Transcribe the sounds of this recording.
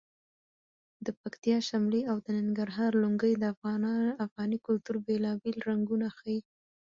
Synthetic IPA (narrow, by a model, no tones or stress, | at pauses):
d̪əpakt̪ijɑʃamliawd̪ənaŋɡaɾɦɑɾluŋɡəjd̪əafɣɑnafɣɑnikʊlt̪uɾbelɑbelɾaŋɡunaxaji